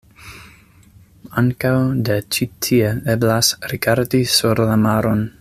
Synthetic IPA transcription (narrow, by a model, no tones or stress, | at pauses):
aŋkawdet͡ʃitʰieeblasɾiɡaɾdisuɾlamaɾon